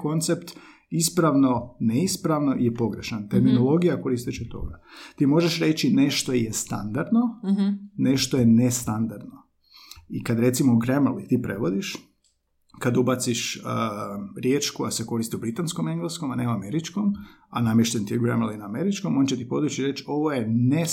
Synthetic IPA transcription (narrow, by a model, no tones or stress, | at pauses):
ko̞nt̪se̞pt̪ | ispɾaʋno̞neispɾaʋno̞ʔijepo̞ɡɾe̞ʃant̪e̞ɾmino̞lˠo̞ɡijako̞ɾist̪it͡ʃɛt̪o̞̰ɡat̪iːmo̞ʒeʃɾe̞t͡ʃine̞ʃt̪o̞jest̪a̰nd̪aɾd̪no | ne̞ʃt̪ojenest̪and̪aɾd̪no | ikad̪ɾe̞t̪simoɡɾemlit̪ipɾe̞ʋo̞d̪iʃ | kad̪ubat̪siʃəɾjeːt͡ʃkoaseko̞ɾist̪iubɾit̪anskome̞ŋɡlesko̞maneuame̞ɾit͡ʃkom | anamjeʃt̪ent̪ijɛuɡɾemelinaːme̞ɾit͡ʃko̞mo̞nt͡ɕet̪ipo̞̰d̪ɾut͡ʃiɾe̞t͡ʃo̞ʋojene